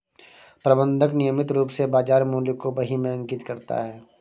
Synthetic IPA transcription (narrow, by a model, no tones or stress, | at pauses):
pɾɐbə̃nd̪ʱəknɪjəmɪt̪ɾuːpsebaːd͡ʒaːɾmuːləkːobɐɦimẽɐ̃ŋkɪt̪kɐɾt̪a̰ɦɛː